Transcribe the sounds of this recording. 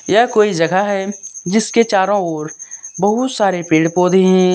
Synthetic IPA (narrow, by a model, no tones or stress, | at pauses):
jakoːid͡ʒɐɡʱaɦɛd͡ʒɪsket͡ʃaːɾõoːɾbəɦʊt̪saːɾepeːɽpoːd̪eɦɛ̃ː